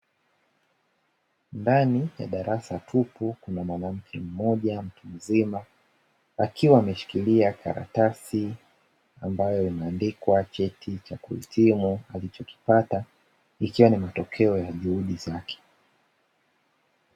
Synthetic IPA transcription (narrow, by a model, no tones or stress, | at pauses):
ndanija̰ɗaɾʔasatʰupukunamwanam̩kʰɛm̩mɔʄam̩tʰum̩zima | akiwaːmɛʃi̥kiliakaɾa̰tasi | ambajɔinaːndikwat͡ʃɛtʰit͡ʃakuhḭtʰimualit͡ʃɔki̥pata | ikiwanimatɔkʰɛɔjaʄuhuɗizakʰɛ̥